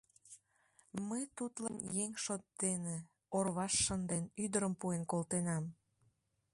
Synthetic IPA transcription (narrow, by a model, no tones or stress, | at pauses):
məjt̪ut̪lənjeŋʃot̪̚ːene | orβɑʃːənd̪enyd̪əɾəmpuenkolt̪enɑm